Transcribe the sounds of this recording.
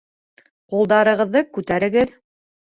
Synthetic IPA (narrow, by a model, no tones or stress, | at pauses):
qulˠd̪ɑɾɤ̆ʁɤ̆ðːɤkʉt̪æɾɘ̆ɡɘð